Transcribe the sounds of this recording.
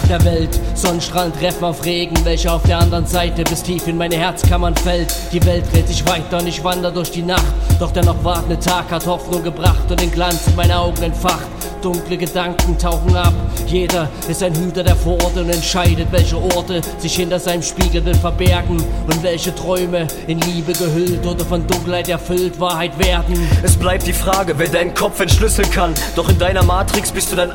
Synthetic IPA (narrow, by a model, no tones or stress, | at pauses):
d̥eːɐvɛltz̥ɔnənʃtʁ̥aːləntʁɛfn̩aʊfʁeːɡŋ̩vɛlçəaʊfd̥eːɐandəʁənzaɪtəbɪstʰiːfɪnmaɪnəhɛɐt͡skʰamɐnfɛltd̥iːvɛlt̚ʁeːtz̥ɪçv̥aɪtɐʊntɪçv̥andəʁədʊɐçd̥iːnaχtd̥ɔχd̥eːɐnɔχv̥aɐtn̩dətʰaːkhathɔfnʊŋɡəbʁaχtʊntɪnɡlant͡sɪnmaɪnəʔaʊɡŋ̩ɛntfaχt | d̥ʊŋkləɡədaŋkŋ̩tʰaʊxŋ̩apjeːdɐʔɪstaɪnɦyːtɐdeːɐfɔʁtəʊntɛntʃaɪdətvɛlçəʔɔɐtəzɪçhɪntɐzaɪnəmʃpiːɡl̩bɛnfɛɐbɛɐɡŋ̩ʊntv̥ɛlçətʁ̥ɔʏmə | ɪnliːbəɡəɦʏltʔoːdɐfɔndʊŋkl̩haɪtɛɐfʏltv̥aːɐhaɪtv̥eːɐdn̩ʔɛsb̥laɪp̚t̚d̥iːfʁ̥aːɡəvɛdaɪnənkʰɔp͡fɛntʃlʏsl̩nkʰand̥ɔχɪndaɪnɐmaːtʁ̥ɪksb̥ɪstd̥uːdaɪn